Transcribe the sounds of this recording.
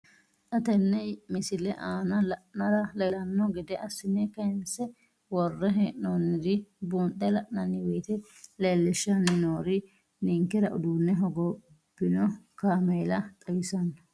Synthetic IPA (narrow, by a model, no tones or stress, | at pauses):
ʔɐt̪ɛnːɛmɪsɪlɛʔaːnɐlɐʔnɐɾɐlɛlɐnːɔɡɪd̪ɛʔɐsɪnːɛkɐnsɛ | wɔrːɛɦeːʔnonːɪd̪ɪbuːnt̪ːɛlɐʔnɐnːɪwɛːt̪ɛ | leːlːɪʃːɐnːɪnoːɾɪ | nɪŋkːɛɾɐʔʊd̪uːnːɛɦɔɡɔ | b̥ːɪnɔkaːmeːlɐt̪ʼɐwɪsɐnːɔ